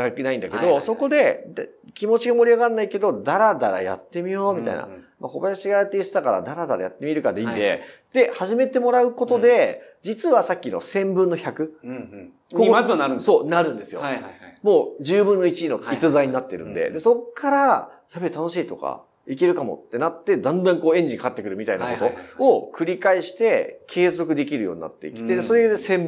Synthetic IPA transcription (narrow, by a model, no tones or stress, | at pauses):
kenaĩnd̪ake̞d̪o̞so̞ko̞d̪e̞d̪kʲimo̞t͡ɕiɡamo̞ɾʲiaɡanːaike̞d̪o̞d̪aɾad̪aɾa̰ja̰t̪ːe̞mʲijo̞ːmʲit̪a̰ḭna̰ | makobataɕiɡat̪ːeɾɯsot̪akaɾa̰d̪aɾad̪aɾa̰jat̪ːe̞mʲiɾɯ̟kad̪eĩnd̪e̞̰d̪̥e̞haʑime̞t̪e̞mo̞ɾaɯ̟ko̞t̪o̞d̪e̞d͡ʑit͡sɨβasakʲːino̞̰sẽ̞mbɯ̟̃nːo̞çakɯ̟ | koɯso̞ːnaɾɯ̟̃nd̪e̞sɨjomo̞ːd͡ʑɨːbɯ̟̃nːo̞it͡ɕiino̞it͡sɨzaiɲ̟inat̪ːe̞ɾɯ̟̃nd̪e̞̰d̪e̞so̞kʰːaɾajabet̪ano̞ɕiːt̪o̞ka̰ | ik̬e̞ɾɯ̟kamo̞̰t̪ːe̞nat̪ːe̞d̪ãnd̪ãŋko̞ːẽ̞ɲ̟d͡ʑĩkakat̪ːekɯ̟ɾɯ̟mʲit̪ainako̞t̪o̞okʰɯ̟ɾʲikaiɕi̥t̪e̞kʰe̞ːzo̞kɯ̟d̪e̞k̬ʲiɾɯ̟jo̞ːɲ̟ina̰t̪ːe̞̰ḭkʲi̥t̪e̞d̪eso̞ɾed̪esẽmb